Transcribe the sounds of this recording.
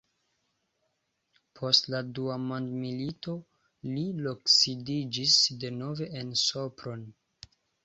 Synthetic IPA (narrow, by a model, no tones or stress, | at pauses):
pʰo̞stladuamondmilito̞ | liloksidid͡ʒisde̞no̞ve̞ʔenso̞pɾo̞n